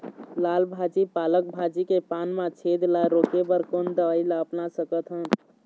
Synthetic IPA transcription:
lalbʱad͡ʒipalək̚bʱad͡ʒikepanmãt͡ʃʰed̪laɾokebəɾkond̪əəjlaəpnasəkət̪ɦən

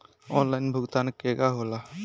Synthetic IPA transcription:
ɔnlajnbʱʊɡt̪ankeɡaɦola

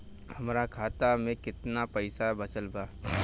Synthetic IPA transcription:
hɐmɾakʰaːt̪amẽkɪt̪napɐɪsabɐt͡ʃəlbaː

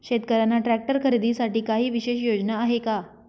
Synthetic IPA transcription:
ɕet̪kəɾanːaʈɾæk̚ʈəɾkʰəɾid̪isaʈiːkaɦiːʋiɕeɕjod͡ʑnaːɦeka

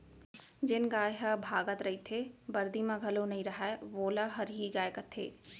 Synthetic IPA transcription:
d͡ʑɪnɡaːjɦɐbʱaːɡət̪ɾɐɦit̪ʰebɐɾd̪imãɡʱɐlonɐĩɾɐɦaːeʋoːlaɦɐɾɦiɡaːjkɐt̪ʰːḛː

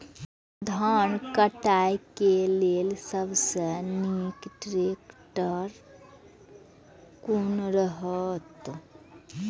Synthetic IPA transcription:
d̪ʱaːɳkəʈaːjkeleːlsəbsənikʈɾeːkʈəɾ | kunɾəɦət̪

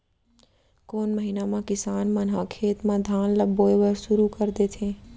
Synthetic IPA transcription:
koːnməɦinamãkɪsaːnmənɦakʰeːt̪mãd̪ʱaːnləbːoːebəɾsʊɾukəɾd̪et̪ʰẽ

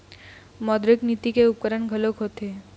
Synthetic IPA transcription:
mɔd̪ɾeknit̪ikeup̚kəɾanɡʱəlokɦot̪e

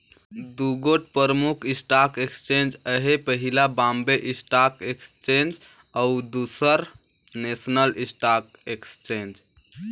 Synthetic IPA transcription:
d̪uɡoʈpəɾəmukʰisʈakekst͡ʃend͡ʒəɦepəɦilabambeʔisʈakekst͡ʃend͡ʒ | aud̪usəɾ | nesnəlisʈak̚ekst͡ʃend͡ʒ

